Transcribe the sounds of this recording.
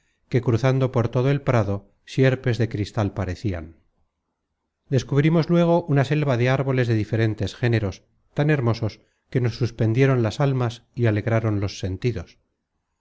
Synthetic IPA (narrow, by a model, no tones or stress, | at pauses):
ke̞kɾuθand̪o̞po̞ɾt̪oð̞oe̞lpɾaðo̞ | sje̞ɾpe̞zðe̞kɾist̪alpaɾe̞θia̰n | d̪e̞skuβɾimo̞zlwe̞ɣ̞o̞ʔunase̞lβaðe̞aɾβo̞le̞zðe̞ðife̞ɾe̞nt̪e̞sxe̞ne̞ɾo̞s | t̪ane̞ɾmo̞so̞s | ke̞no̞sːuspe̞nd̪je̞ɾo̞nlasalmasiale̞ɣɾaɾo̞nlo̞sːe̞nt̪iðo̞s